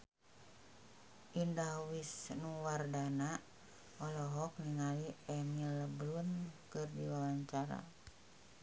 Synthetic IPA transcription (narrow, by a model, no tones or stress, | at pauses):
ʔindawisnuwardana | ɔlɔɦɔk̚niŋaliɛmiləblunkɨrdiwawaɲt͡ʃaɾa̰